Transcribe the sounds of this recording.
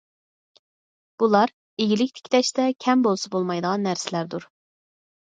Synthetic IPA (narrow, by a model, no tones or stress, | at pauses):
b̥ulˠɑɾ | eɡʲilɪkʲt̪ʰɪ̥kʲʰt̪ʰɛʃt̪ɛkʲʰɛmbolˠsɑbolˠmɑjd̪əʁɑnːæɾsɪlæɾd̪uɾ